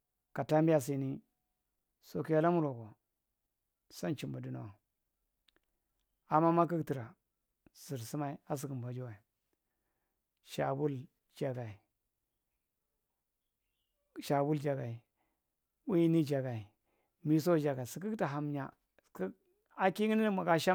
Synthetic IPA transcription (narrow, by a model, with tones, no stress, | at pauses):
ka˨ta˦mba˨s̬i˨˦ni˦ | so˦ki˦ja˦la˦mu˦ɾo˨ɡo˨ | sa˦nt͡ʃi˨mba˨du˦no̰˨wa˨ | a˨ma˦ma˦k̬i˦kti˨ɾa˨ | z̥i˨ɾsi˦ma˦i˦a˦s̬i˨ɡi˨m˨ba˨d͡ʒu˦wa˨i˨ | ʃa̰˨bu˦l | d͡ʒa˨ɡa˨i˨ | ʃa˨bu˦ld͡ʒa˨ɡa˨i˨ | wi˦ni˦d͡ʒa˨ɡa˨i˨ | mi˨s̬o˦˨d͡ʒa˨ɡa˨si˨k̬i˦kta˨ɦa˨m˦ɲa̰˨ | k | a˦ki˦ŋi˦ni˦ma˨ɡa˦ʃa˦